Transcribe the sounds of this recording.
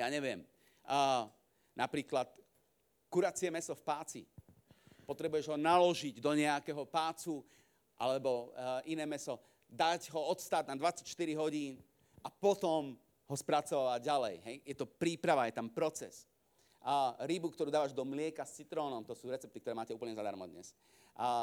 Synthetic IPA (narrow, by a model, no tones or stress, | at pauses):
jaːɲɛʋɪɛm | napɾiːklat̪ | kuɾat͡siɛmɛsɔfpaːt͡sḭ | pɔt̪ɾɛbujɛʒɦɔnalɔʒiɟd̪ɔɲɛakɛːɦɔpaːt͡su | ʔa̰lɛbɔʔinɛːmɛsɔ | d̪aɟɦɔɔt̪st̪aːd̪̚nad̪ʋat͡sacʃt̪iɾiɦɔɟiːn | apɔt̪ɔm | ɦɔspɾat͡sɔʋaʋaɟalɛjɦɛjjɛt̪ɔpɾiːpɾaʋajɛt̪ampɾɔt͡sɛ̰s | ɾibukt̪ɔɾud̪aːʋaʒd̪ɔmlɪɛkast͡sit̪ɾɔːnɔmt̪ɔsuːɾɛt͡sɛp̚t̪ikt̪ɔɾɛːmaːcɛuːplɲɛzad̪a̰ɾmɔ̰d̪ɲɛ̰s